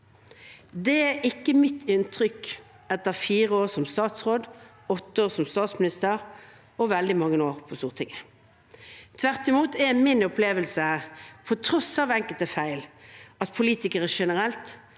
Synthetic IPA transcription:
d̪ɛæɪkːəmɪt̪ʰːɪnt̪ʰʁʏk | ɛt̪ːəʁfiːʁəoːʁsɔmst̪ɑːt̪sʁoːd̪ | ɔt̪ːəoːsɔmst̪ɑːt̪smɪnɪst̪əʁ | ɔʋɛld̪ɪmɑŋːəoːʁpʰɔst̪uːʁt̪ʰɪŋə | t̪ʰʋæʁt̪ɪmuːt̪ɛmɪnʊpleːʋəlsəpʰɔt̪ʰɾɔsɑːʋɛŋkəlt̪əfæɪlɑt̪pʰʊliːt̪ɪkəʁəʂɛnəʁɛlt̪

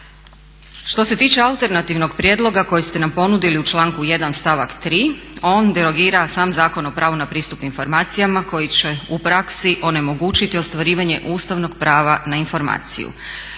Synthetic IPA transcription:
ʃt̪o̞se̞t̪iːt͡ʃe̞alˠt̪e̞ɾnat̪iʋno̞ɡpɾje̞ːd̪lˠo̞ɡako̞jest̪e̞nampo̞nud̪iliut͡ʃlˠaːŋkuje̞d̪anst̪aʋakt̪ɾiːo̞ːnd̪eɾo̞ɡiːɾasaːmzaːko̞no̞pɾʔaːʋunapɾiːst̪upinfo̞ɾmaːt̪sijamako̞jit͡ɕe̞upɾaksiʔo̞ne̞mo̞ɡuːt͡ʃit̪io̞st̪ʋaɾiːʋaɲe̞ʔuːst̪aʋno̞ɡpɾaːʋanainfo̞ɾma̰ːt̪sḭjṵ

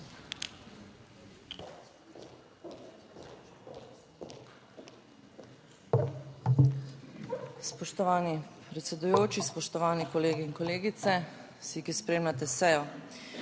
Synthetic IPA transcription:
spɔʃt̪ɔʋaːnipɾɛt̪sɛd̪ujoːt͡ʃispɔʃt̪ɔʋaːnikɔleːɡiːŋkɔleːɡit̪sɛ | sikispɾeːmlat̪̬ɛsɛjɔ

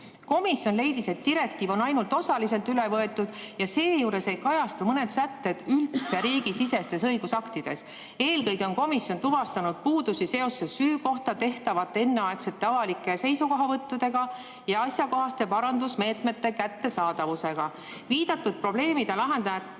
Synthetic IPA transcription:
ko̞misjo̞nle̞jd̪ise̞t̪̚ːiɾe̞kt̪iːvo̞nɑjnult̪ˑo̞sɑlis̬e̞lt̪ylevɤe̞t̪ːˑud̪̥jɑse̞ːjuːɾe̞se̞jkɑjɑst̪umɤne̞d̪̥sæt̪ːe̞d̪̥ylt̪se̞ɾiːɡisise̞st̪e̞sɤjɡ̥usɑkt̪id̪̥e̞s | e̞ːlkɤjɡeo̞nko̞misjo̞nt̪uvɑst̪ɑnud̪̥̚puːd̪usise̞o̞sːesyːko̞ht̪ɑt̪e̞ht̪ɑvɑt̪ːˑe̞nːeɑe̞kse̞t̪ːˑɑvɑlikːˑe̞se̞jsuko̞ɦɑvɤt̪ːud̪̥e̞ɡɑ | jɑɑsjɑko̞ɦɑst̪e̞pɑɾɑnd̪usme̞ːt̪me̞t̪ːe̞kæt̪ːe̞sɑːd̪ɑvuse̞ɡ̥ɑ | viːd̪̥ɑt̪ːˑud̪̥̚pro̞ble̞ːmid̪̥elɑɦe̞nd̪ɑ

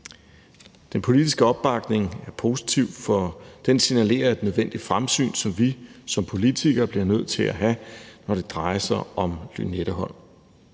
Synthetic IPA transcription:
d̥enpʰo̝lid̥isɡ̥əɒ̽b̥ːɑ̈ɡ̥ne̝ŋæɐpʰo̝ːsi̥t͡sʰiʊ̰fɒd̥ensinæle̝̰ːɐe̝d̥nøð̞ˠʋen̰d̥id̥fʁamsy̰ːnsɒ̽mʋisɒ̽mpʰo̝lit͡sʰiɡ̥ɐb̥liɐnøð̞̰ˠt͡sʰe̝læɦænɒɾ̥e̝d̥ʁɑ̈ɪɐsɑ̈ɪɒ̽mly̰neɾ̥ɐɦɒ̽n̰

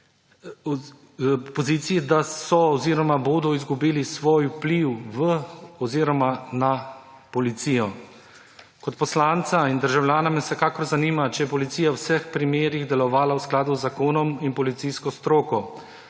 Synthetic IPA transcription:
pɔziːt̪sijɛd̪asɔːziɾɔmaboːd̪ɔizɡubiːlisʋoːjwpliwʋəɔziːɾɔmana | pɔlit̪sijɔ | kɔt̪pɔslant̪saind̪əɾʒawlʲjaːnamɛsɛkaːkɔɾzaniːmat͡ʃɛjɛpɔlit̪sijawsɛxpɾimeːɾiɣd̪ɛlɔʋaːlawsklaːd̪uzːakoːnɔminpɔlit̪siskɔst̪ɾoːkɔ

